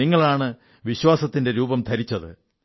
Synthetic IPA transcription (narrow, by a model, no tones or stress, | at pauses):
iŋːɐɭaːɳɨ | ʋiɕwaːsɐt̪ːinde̞ɾuːbɐmt̪ʰɐɾit͡ɕːɐðɨ̰